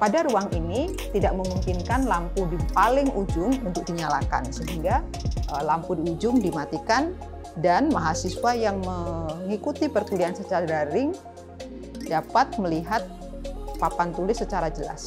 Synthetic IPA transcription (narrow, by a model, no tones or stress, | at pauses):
padaɾuaŋini | t̪idaʔ̚məmuŋkinkanlampudipalɪŋud͡ʒʊŋunt̪ʊk̚diɲala̰ka̰nsəɦiŋɡaʔəlampudiud͡ʒʊŋdimat̪ikan | danmaɦasiswajaŋməŋikut̪ipərkuliansət͡ʃaɾaɾɪŋ | dapat̪̚məliɦat̪̚ | papant̪ulɪsːət͡ʃaɾad͡ʒəla̰s